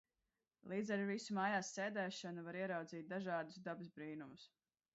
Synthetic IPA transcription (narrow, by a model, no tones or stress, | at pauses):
lˠiːd̪zɛɾvisumaːjaːsːɛːd̪ɛːʃɔnuvaɾiɛɾawd̪ziːt̪̚d̪aʒɑːd̪usd̪abɨsbɾiːnumus